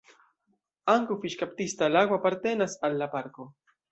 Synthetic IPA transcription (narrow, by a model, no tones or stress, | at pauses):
aŋkʊfiʃkap̚t̪ist̪alaɡwapaɾt̪enasalːapaɾko